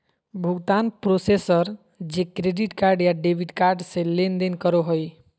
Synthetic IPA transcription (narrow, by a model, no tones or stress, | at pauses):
bʱuɡt̪anpɾosesəɾ | d͡ʒekɾeɖiʈkaɾɖjaɖebʱiɖkaɾɖsẽlend̪enkəɾoɦoj